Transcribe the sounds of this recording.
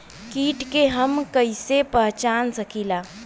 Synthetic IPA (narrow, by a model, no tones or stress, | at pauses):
kiːʈkeɦəmkəɪsepəɦt͡ʃansəkila